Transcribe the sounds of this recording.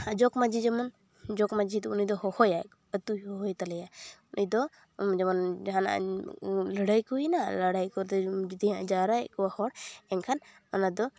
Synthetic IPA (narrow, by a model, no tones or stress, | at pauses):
ad͡ʒɔkmad͡ʒid͡ʒɛmɔn | d͡ʒɔkmad͡ʒid̪ɔunid̪ɔhɔhɔja | ət̪ujhɔɦɔjt̪alɛjaunʔid̪ɔ | d͡ʒɛmɔnɦana̰ʔləɽajkuinalaɽajkɔɾd̪ɛd͡ʒid̪iãʔd͡ʒaɾakɔwahɔɽɛnkʰan | ɔnad̪ɔ